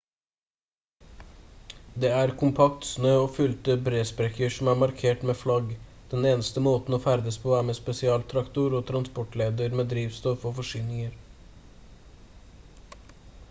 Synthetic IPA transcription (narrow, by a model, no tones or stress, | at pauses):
d̪eːæːɾkʰʊmpʰɑk̚t̪snøːoːfʉlt̪əbɾeːspɾɛkəʃm̩æːmɑɾkʰeːʈmeːflɑɡd̪̥ɛneːnəst̪əmoːt̪n̩oːfæɾd̪əspʰoːæːmeːspɛsɪɑːlt̪ʰɾɑkt̪ʊɾoːt̪ʰɾɑnspɔʈleːd̪əɾmeːd̪ɾiːʋst̪ɔfoːfɔʃyːnɪŋəɾ